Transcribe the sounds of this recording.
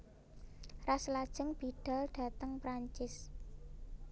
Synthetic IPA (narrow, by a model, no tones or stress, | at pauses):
raslad̥ʒ̥ə̤ŋb̥iɖ̥a̤lɖ̥ä̤t̪əŋpɾaɲt͡ʃɪs